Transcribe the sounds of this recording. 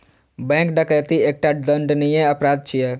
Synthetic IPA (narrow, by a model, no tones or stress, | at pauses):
bɛ̃kɖəkəjt̪ieːk̚ʈaɖəɳɖnijẽəpɾaːd̪̚t͡ʃʰijɛ